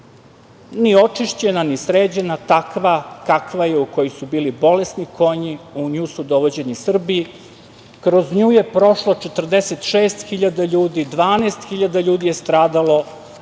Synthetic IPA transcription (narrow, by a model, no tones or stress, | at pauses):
nio̞t͡ʂiʃt͡ɕe̞nanisɾeːd͡ʑe̞nat̪akʋakakʋajeuko̞jisubiːlibo̞le̞sniko̞ɲiuɲuːsud̪oʋod͡ʑe̞nisr̩bi | kɾo̞zɲuːje̞pɾo̞ʃlˠo̞t͡ʃet̪r̩d̪eset̪ʃeːst̪xiʎad̪aʎuːd̪id̪ʋaːnest̪xiʎad̪aʎuːd̪ije̞st̪ɾaːd̪alo̞